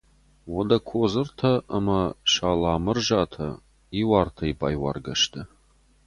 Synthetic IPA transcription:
wɔd̪ɐkʷʰoːzɨrt̪ʰɐːmɐʂaːlaːmɨrʒaːtʰɐ̰ | iwaːrtʰɐibaːjwa̰rɡɐʃt̪ʰɨ

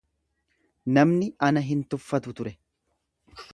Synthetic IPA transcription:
nɐmnɪʔɐnɐɦɪnt̪ʊfːɐt̪ʊt̪ʊɾɛ

